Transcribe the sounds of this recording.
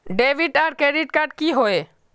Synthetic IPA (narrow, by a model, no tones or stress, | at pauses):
ɖeʋiɖaɾkɾeɖiʈkaɾɖ̚kiɦoe